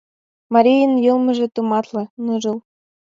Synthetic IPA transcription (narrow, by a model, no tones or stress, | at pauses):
mɑɾʲijə̆njɤlmɤ̆ʒĕt̪umɑt̪lɤ̆nɤʒɤ̆l